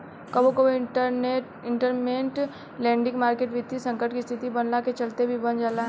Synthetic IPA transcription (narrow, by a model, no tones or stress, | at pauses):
kɐbokone | ɪ̃ɳʈəɾmeːɳʈ | lɛ̃ːɳɖɪ̃ŋɡmaːɾkeːʈʋɪt̪ːisɐ̃ŋkəʈkist̪ʰɪt̪ibɐnlaket͡ʃɐlt̪ebʱibɐnd͡ʒaːlaɦ